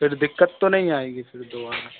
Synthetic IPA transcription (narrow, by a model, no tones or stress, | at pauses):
pʰɪɾd̪ɪkːət̪ːõːnəĩːaːiːɡiːpʰɪɾd̪oːaːnaː